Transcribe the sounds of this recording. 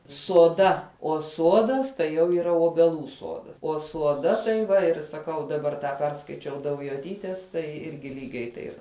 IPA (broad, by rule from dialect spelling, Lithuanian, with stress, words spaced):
soːˈdɐ oː ˈsuɔdɐs tɐɪ jɛʊ iːˈrɐ oːbʲɛˈlˠuː ˈsuɔdɐs oː suɔˈdɐ tɐɪ ˈʋɐ ɪr sɐˈkɐʊ dɐˈbɐr ˈtɑː ˈpʲɛrskɐɪt͡ʃʲɛʊ dɐʊjoːˈtʲiːtʲeːs tɐɪ ˈɪrʲɡʲɪ ˈlʲiːɡʲɛɪ tɐɪp